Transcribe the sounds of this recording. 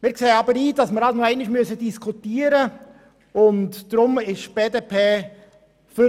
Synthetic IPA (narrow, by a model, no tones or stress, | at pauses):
mɪːɾkseːəɑbəɾiːd̥ɑsməɾɑlnoɛɪnɪʃmyəsədiskʰutiːəɾə | ʊntd̥ɾʊmɪʃb̥eːdeːpʰeː | fy